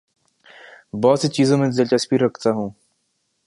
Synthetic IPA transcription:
bɔːt̪set͡ʃiːzõmẽzɪlt͡ʃəspiːɾːɐkʰt̪aɦũː

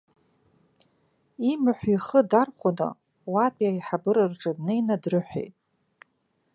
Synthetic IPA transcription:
imɨħʷiχədarχʷʊnɨ̰ | wapʼjaiħabɨɾɨrʈ͡ʂʼɨdnejnadrɨħʷḛjtʼ

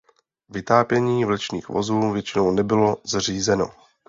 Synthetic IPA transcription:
vɪt̪aːpjɛɲiːvlɛt͡ʃnḭːxvo̞̰zuːvjɛt͡ʃɪno̞wnɛbɪlo̞zr̝iːzɛno̞̰

